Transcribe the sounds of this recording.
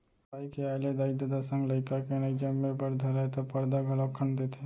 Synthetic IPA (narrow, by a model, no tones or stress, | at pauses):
aikealed̪aɪd̪əd̪asə̃ŋɡləɪkakenəid͡ʒəmːepəɾd̪ʱəlat̪ɔpəɾd̪aɡʱəlɔkʰənd̪et̪ʰe